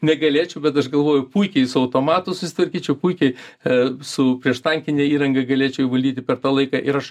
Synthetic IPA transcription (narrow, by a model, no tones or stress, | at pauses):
nʲɛɡɐlʲeːt͡ʃʲɛʊbʲɛt̪ɐʃɡɐlˠʋoːjʊpuɪkʲɛɪsʊɐʊt̪oːmɑːt̪ʊsʊsʲɪt̪ʋɐɾʲkʲiːt͡ʃʲɛʊpuɪkʲɛɪ | sʊpʲɾʲiɛʃt̪ɐŋʲkʲɪnʲeːiːɾɐŋɡɐɡɐlʲeːt͡ʃʲɛʊjʋɐlʲd̪ʲiːt̪ʲɪpʲɛɾt̪ɑːlˠɐɪkɑʔɪɾɐʃ